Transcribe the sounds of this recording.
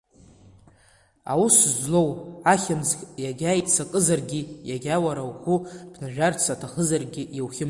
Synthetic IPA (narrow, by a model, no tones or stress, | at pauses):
a̰wuszlo̞waχʲɪmzʲʼjaɡʲajʼsakʼɨzarɡʲɪjaɡʲawaɾawχʷubʰnaʒᶣart͡sʰatʰaχəzarɡʲɪiwχʲɪm